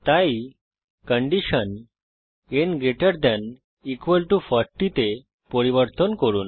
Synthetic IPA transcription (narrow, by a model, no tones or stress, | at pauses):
t̪ai | kəɳɖiɕən | enɡeʈəɾd̪ɛ̃n | ikʋəlʈufəɾʈit̪e | pɔɾiʋəɾt̪ənkəɾuːn